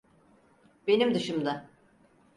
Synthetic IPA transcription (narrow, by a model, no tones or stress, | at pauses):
b̥e̞nimd̪ɯʃɯmd̪a